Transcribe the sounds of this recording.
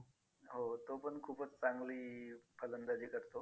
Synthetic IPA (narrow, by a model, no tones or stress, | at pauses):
ɦot̪opəɳkʰuːpət͡st͡saŋɡliːpələnd̪ad͡ʑiːkəɾt̪o